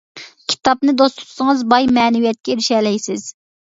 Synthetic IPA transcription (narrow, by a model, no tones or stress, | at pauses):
kʲʰi̥t̪ʰɑpnɨd̪ost̪ʰu̥t͡ʃ̪ʰʊ̥sɨŋɨzbɑjmɛːnɪvijɛt̪̚kʲɛɾɪʃɛːlɛjsɪz̥